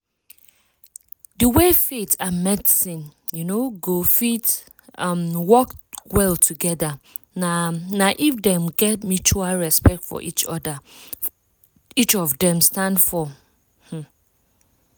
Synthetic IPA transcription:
dəwefetʰamɛdisĩnjunoɡofit | ʌ̃mwɔkwɛltʰuɡɛda | nanaʔifdɛ̃mɡɛt̚mut͡ʃualɹɛspɛk̚tfɔ̰ʔit͡ʃɔda | it͡ʃɔvdɛ̃mstãndfɔ | hm̩

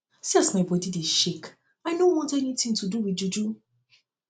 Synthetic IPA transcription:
siasmaɪbɔdideʃek | aɪnowɔ̃ntɛnitĩŋtuduwiud͡ʒu

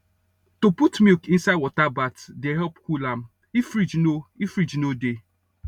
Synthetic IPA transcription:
toputmikĩnsaɪdwɔtabatdeɦɛpkulam̩ | ifɾid͡ʒnoifɾid͡ʒnode

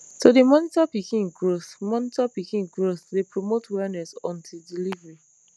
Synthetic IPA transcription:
todemɔnitapikĩŋɡɹoθmɔnitɔpikĩŋɡɹoθdepɹomotwɛnɛsɔ̃ntʰildilivɹi

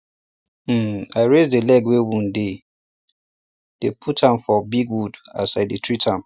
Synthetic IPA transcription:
aɪɹezdelɛɡwewũnde | d̥epʰutʰãmfɔbiɡwuda̰sadetʰɹitʰãm

